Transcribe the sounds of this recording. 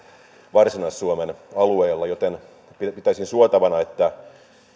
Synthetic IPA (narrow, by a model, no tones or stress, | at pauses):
ʋɑrsinɑsːuomenɑlueːlːɑjot̪en | pipit̪æisinsuot̪ɑʋɑnɑet̪ːæ